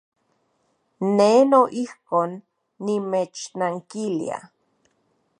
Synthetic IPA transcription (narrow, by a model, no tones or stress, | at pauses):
nenoʔihkoːnː | imet͡ʃnaŋkilḭa̰